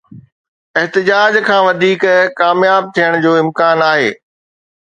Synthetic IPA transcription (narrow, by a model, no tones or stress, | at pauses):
ɪɦt̪ɪd͡ʑaːd͡ʑkʰãːʋɐd̪ʱiːkkaːmjaːb̚t̪ʰijəɽ̃d͡ʑoːɪ̃mkaːnaːɦeː